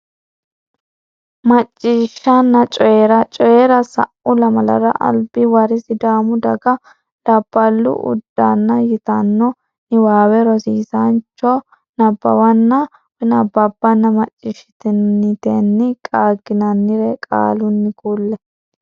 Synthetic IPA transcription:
mɐt͡ʃʼːiːʃɐnːɐt͡ʃʼɔjɛɾɐt͡ʃʼɔjɛɾɐsɐ̰ʔʊlɐmɐlɐ̰ɾɐ̰ʔɐ̰lbɪwɐɾɪsɪd̪aːmʊd̪ɐɡɐ | d̥ɐb̥ːɐlːʊ̰ʔʊ̰d̪ːanːɐjɪt̪ɐnːɔ | nɪwaːwɛɾɔsiːsant͡ʃːɔ | nɐbːɐ̰wɐnːɐ | bɛnɐbːɐbːɐnːɐmɐt͡ʃʼːɪʃɪ̥t̪ɪnːɪt̪ɛnːɪkʼaːɡɪnɐnːɪɾɛkʼa̰ːlʊnːɪkuːlːɛ

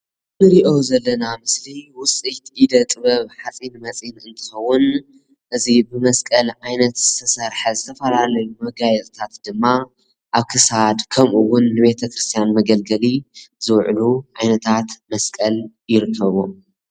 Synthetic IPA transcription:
nɨɾiʔo̞zɐlːɐnamɨsliwʊt͡sʼit̪id̪ɐt̪ʼɨβɐβħat͡sʼinmɐt͡sʼinɨnt̪ʰɨ̥xɐwːʊn | ʔɨzibɨmɐskʼɐlʕajnɐt̪z̥ɨ̥t̪ʰɐsɐɾħɐzɨt̪ʰɐfɐlalɐjumɐɡajɛt̪ʼt̪ʰat̪d̪ɨmːa | ʔaβkʰɨsad̪kʰɐmʔuwːʊnːɨβe̞t̪ʰɐkɾɨst̪ʰijanmɐɡɐlɡɐlizɨwʕluʕajnɐt̪ʰat̪mɐskʼɐl | jɪɾɨkʰːɐβo

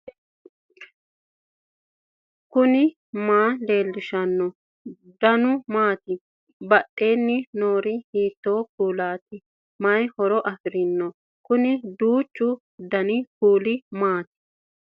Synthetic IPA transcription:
kʊnɪ | maːle̞ːlːɪʃɐnːɔ | d̪ɐnʊmaːt̪ɪ | bɐɗːe̞ːnːɪnoːɾɪhiːt̪ːo̞ːkuːlaːt̪ɪ | mɐjhɔɾɔʔɐfɪɾɪnːɔ | kʊnɪd̪uːt͡ʃːʊ | d̪ɐnɪkuːlɪmaːt̪ɪ̥

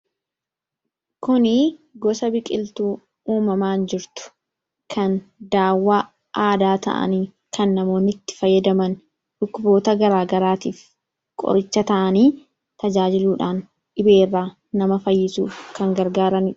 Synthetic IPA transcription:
kʊnɪɡɔsɐbɪkʼɪlt̪uː | uːmɐmaːnd͡ʒɪɾt̪ʊ̥ | kʰɐnd̪aːwːaː | aːd̪aːt̪ɐ̰ʔɐ̰niː | kɐnːɐmo̞ːnɪt̪ːɪ̥fɐjːɐd̪ɐmɐn | ᶑʊkːʊbo̞ːt̪ɐɡɐɾaːɡɐɾaːt̪iːf | kʼɔ̰ɾɪt͡ʃːɐt̪ɐʔɐniː | t̪ɐd͡ʒaːd͡ʒɪluːᶑaːn | ᶑɪbe̞ːrːaː | nɐmɐfɐjːɪsuːkɐŋɡɐɾɡaːɾɐnɪ̥

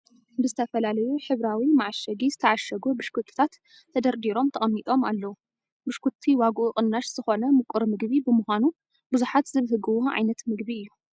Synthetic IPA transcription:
bɨzɨt̪ʰɐfɐlalɐjuħɨβɾawimaʕʃɐɡizɨt̪ʰɐʕaʃɐɡubɨʃkʰut̪ʰʼːɨ̥t̪ʰat̪ʰː | ɐd̪ɐɾd̪iɾo̞mt̪ʰɐχʼɐmːit̪ʼo̞malːɐwu | bɨʃkʰut̪ʰːiwaɡʔuχʼɨnːaʃz̥ɨxo̞nɐmɨkʷʼuɾmɨɡβibɨmuxʷanu | bɨzuħat̪zɨβhɨɡɨwoʕa̰jnɐt̪mɨɡbiɨjːu

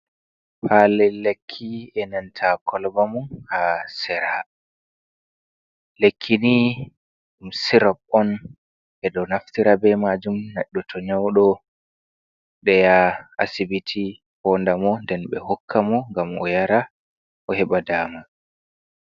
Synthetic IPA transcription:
falɛlekʰːiɛnantʰakɔlbamunhasɛɾa | lekʰːini | ɗumsiɾapɔn | ʔɛɗɔnaftiɾabɛmad͡ʒumnaɗːutʰɔɲawɗɔ | ɗɛjaa̰sibitʰi | hɔːndamɔndɛnɓɛ̰hɔkʰːamɔŋɡamɔ̰jaɾa | ʔɔɦɛɓadaːma

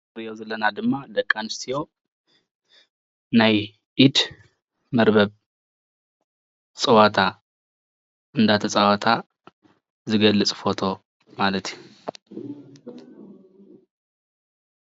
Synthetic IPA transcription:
ɾijozɐlːənad̪ɨmːad̪əkʼːanɨst̪ʰijo̞ | naj | ʔid̪ | məɾbəβ | sʼɐwat̪ʰa | ʔɨnd̪at̪ʰɐsʼawat̪ʰa | zɨɡəlːɨt͡sʼfo̞t̪ʰo̞ | malət̪ʰj

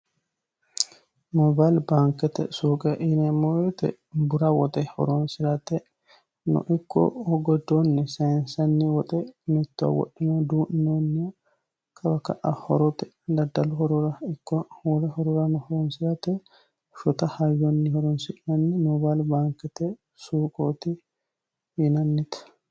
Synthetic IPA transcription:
mɔbalbaːŋkɛt̪ɛ̰suːkʼɛʔɪnɛmoɛt̪ɛ̰ | bʊɾawɔt̪ʼɛhɔ̰ɾɔnsɪɾɐt̪ɛ | nɔ̰ʔɪkːɔ̰hɔɡɔd̪onːɛsɐnsɐnːiwɔt̪ʼɛmɛt̪ːɔ̰wɔ̰ʔɪnɐd̪uːʔnːonːɪ | kʰʼɐbɐkɐ̰ʔahɔ̰ɾɔt̪ɛ̥ | d̪ɐd̪ːɐlʊhɔɾɔɾɐɪkːɔwɔɾɛhɔɾʊɾɐnɔhɔɾɔnsɪɾɐt̪ɛ | ʃɔt̪ɐhajːɔnːɪhɔɾɔnsɪʔnɐnːɪnɔbalbaːŋkɛt̪ɛ | suːkʼoːt̪ɪ | ɪnɐnːɪt̪

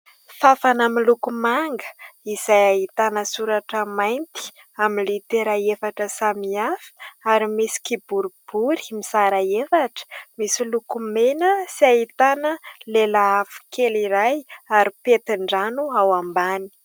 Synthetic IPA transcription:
fafanaminlukumaŋɡə̥iz̥ajaɦit̪anəsuɾaʈ͡ʂəmajnt̪i̥ | aminlit̪eɾaefaʈ͡ʂəsamiafi̥aɾimisi̥kibuɾub̥uɾi̥misaɾaefaʈ͡ʂə̥misilukumenəsiaɦit̪anəlelaafi̥kʰeliɾajaɾipet̪iɳɖ͡ʐanuawambani̥

